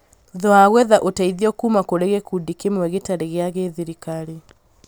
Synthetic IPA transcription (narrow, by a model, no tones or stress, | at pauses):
ðɔaɣwɛðaʔotaiðiɔkumakoɾeɣekudikemwɛɣetaɾeɣeaɣeðiɾikaɾe